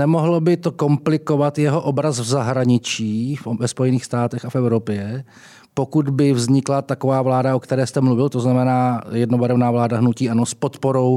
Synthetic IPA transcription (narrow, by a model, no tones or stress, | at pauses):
nɛmoɦlo̞bɪt̪o̞ko̞mplɪko̞vat̪jɛɦo̞ʔobɾasvzaɦɾaɲɪt͡ʃiːfvɛspo̞jɛniːxst̪aːt̪ɛxafɛvwɾopjɛ | po̞kud̪bɪvzɲɪklat̪ako̞vaːvlaːdaʔo̞kt̪ɛɾɛːst̪ɛmluvɪlt̪o̞znamɛnaːjɛdnobaɾɛvnaːvlaːdaɦnuciːʔanospo̞t̪poɾo̞w